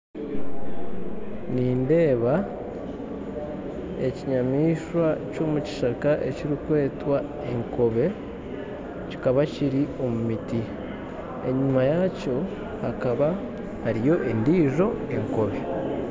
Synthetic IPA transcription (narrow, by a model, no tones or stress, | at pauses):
niːnde̞ːβa | e̞ciɲamiːʃwaco̞ːmuci̥ʃakaʔe̞̰ciɾikwe̞ːtwa | e̞ŋko̞βe̞ | ci̥kaβaciɾio̞mumiti | e̞ɲumajaco̞ | hakaβa | haɾijo̞ʔe̞ndiːʒo̞e̞ŋko̞βe